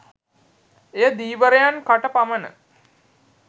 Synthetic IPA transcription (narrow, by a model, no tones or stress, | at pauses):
ejəd̪iːʋəɾejankaʈəpamənə̰